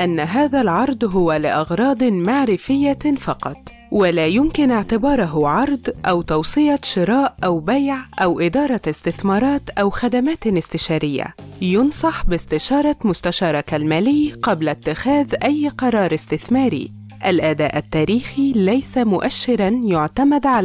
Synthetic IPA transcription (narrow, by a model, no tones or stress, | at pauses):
ʔanːaɦaːðalʕɑɾˤd̪ˤɦʊwalɪʔɑɣɾˤɑːd̪ˤmaʕɾɪfɪjːafɑqɑt̪ˤ | wɪlaːjʊmkɪnɪʕt̪ɪbɑːɾˤɑɦʊʕɑɾˤd̪ˤʔawt̪ɑwsˤɨjɑʃɪɾˤɑːʔʔawbajʕʔawʔɪd̪ɑːɾˤɑɪst̪ɪθmɑːɾˤɑːt̪ʔawxad̪amaːt̪ɪst̪ɪʃaːɾɪjːa̰jʊnsˤɑħbɪst̪ɪʃɑːɾˤɑmʊst̪aʃɑːɾˤɑkalmæːlɪːqɑblat̪ːɪxæːðʔajːqɑɾˤɑːɾˤɪst̪ɪθmɑːɾḭː | ʔalʔæd̪æ̰ːʔat̪ːæːɾiːxilajsamʊʔaʃːɪɾɑnjʊʕt̪amad̪ʕal